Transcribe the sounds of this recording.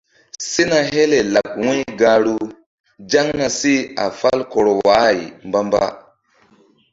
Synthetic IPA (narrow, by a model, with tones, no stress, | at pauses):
si˦na˨ɦe˦le˨la˨kwĩ˦ɡa˨ɾu˦ | d͡ʒa˦ŋna˨si˦a̰˨fa˦lkɔ˨ɾo˨wa˨˦˨i˨mba˦mba̰˦